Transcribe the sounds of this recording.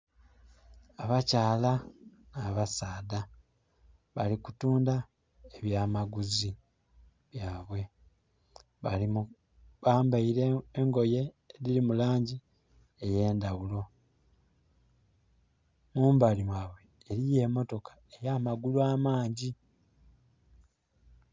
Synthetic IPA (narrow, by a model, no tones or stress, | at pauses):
aβacaːla | naːβasaːda | βalikutuːnda | eβjaːmaɡuzi | βjaːβwe̞ | βali | βaːmbaiɾeːŋɡo̞je̞ː | ɾiɾimulaːɲɟi | eje̞ːndawulo̞ | muːmbalimwaːβwe̞ːɾije̞ːmo̞to̞kḁ | ejaːmaɡulwaːmaːɲɟi